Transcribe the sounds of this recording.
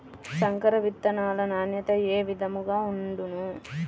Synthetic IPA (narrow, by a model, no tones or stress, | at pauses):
sɐŋkɐɾɐʋit̪ːɐnaːlɐnaːnjɐt̪ɐeːʋid̪ɐmuɡaːuɳɖunu